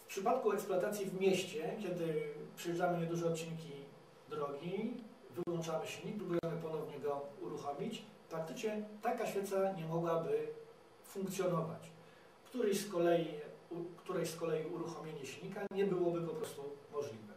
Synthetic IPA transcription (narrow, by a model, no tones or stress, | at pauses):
fpʂɘpat̪kuɛksploat̪at̪sʲjivmʲjɛɕt͡ɕɛkʲjɛd̪ɘpʂɛjɛamɘɲɛd̪uʐɛɔt̪̚t͡ɕinkʲi | d̪ɾɔɡʲi | vɘwɔnt͡ʂamɘɕʲɲik̚pɾubujɛmɘpɔnɔvɲɛɡɔuɾuxɔmʲit͡ɕ | pɾak̚t̪ɘt͡ʂɲɛt̪akaɕfʲɛt̪saɲɛmɔɡwabɘ | fuŋkt̪sʲjɔnɔva̰t͡ɕ | kt̪uɾɛɕskɔlɛjiukt̪uɾɛjskɔlɛjiuɾuxɔmʲjeɲɛɕlɲikaɲɛbɘwɔbɘpɔpɾɔst̪umɔʐlʲivɛ